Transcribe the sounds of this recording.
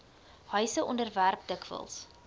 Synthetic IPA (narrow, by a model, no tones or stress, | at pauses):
hœɥsəʔɔndərværp̚dəkvə̰lˠs